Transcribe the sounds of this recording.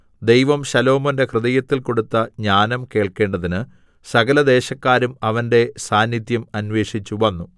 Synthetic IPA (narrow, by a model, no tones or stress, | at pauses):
d̪ejʋɐmɕɐlo̞ːmɐnde̞krɨðɐjɐt̪ːilko̞ɽut̪ːɐɲaːnɐmke̞ːɭke̞ːɳɖɐðinɨ | sɐɡɐlɐd̪e̞ːɕɐkːaːɾumɐʋɐnde̞saːnjid̪jɐmɐnʋe̞ːʂit͡ɕːuʋɐnːu